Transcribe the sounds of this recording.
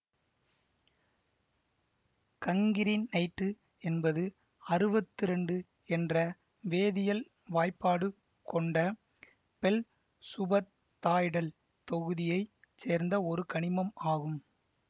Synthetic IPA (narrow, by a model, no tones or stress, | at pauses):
kɐŋɡɪɾɪnnɐɪʈːɯ | ɛnbɐðɯ | ɐɾɯbɐt̪ːɯɾɛɳɖɯ | ɛndrɐ | ʋeːðɪjɐl | ʋaːjpːaːɽɯ | kɔɳɖɐ | pɛl | sʊbɐt̪ːaːjɽɐl | t̪ɔɣɯðɪjɐɪ | seːɾnd̪ɐɔɾɯkɐɳɪmɐmaːɣɯm